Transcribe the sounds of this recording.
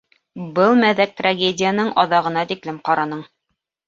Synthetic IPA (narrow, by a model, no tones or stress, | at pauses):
bɤlˠmæðæk̚t̪raɡʲedʲɪjənɤɴʔɑðɑʁɤ̆nɑt̪iklɘmqɑɾɑnɤɴ